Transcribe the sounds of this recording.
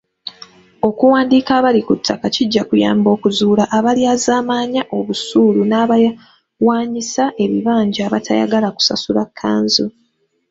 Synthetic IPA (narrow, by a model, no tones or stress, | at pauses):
o̞kuwaːndiːkaːβalikutʰːakaciɟːakuja̰ːmbo̞ːkuzuːlaʔːβaliaːzaːmaːɲaʔo̞βusuːlunaːβaja | waːɲisaʔe̞βiβaːɲɟaːβatʰa̰ja̰ɡalaku̥sa̰sulakʰːa̰ːnzu